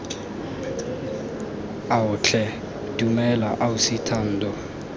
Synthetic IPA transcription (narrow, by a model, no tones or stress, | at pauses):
aʊt͡ɬʰɛ | dumɛlaʔaʊsitʰan̩ːdɔ